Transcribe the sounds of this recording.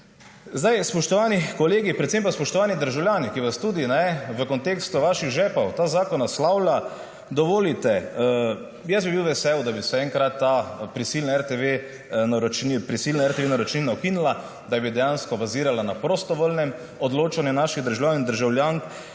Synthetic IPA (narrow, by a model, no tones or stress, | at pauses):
zd̪ajspɔʃt̪ɔʋaːnikɔleːɡipɾɛt̪sempaspɔʃt̪ɔʋaːnid̪əɾʒawljaːnikiʋast̪ud̪inɛʋəkɔnt̪eːkst̪uʋaːʃiɣʒɛpɐwt̪aːzaːkɔnaslawla | d̪ɔʋoːlit̪ɛ | jɛsbibiwʋɛsɛwd̪abisɛɛŋkɾat̪ːapɾisiːlnaɛɾt̪eʋe | nɾɔt͡ʃnipɾisiːlnaɛɾt̪eʋenaɾɔt͡ʃninaɔkinula | d̪ajbid̪ɛjanskɔbaziːɾalanapɾoːst̪ɔʋoːlnɛm | ɔd̪loːt͡ʃanjɛnaːʃiɣd̪əɾʒawjaːnnd̪əɾʒawljaŋk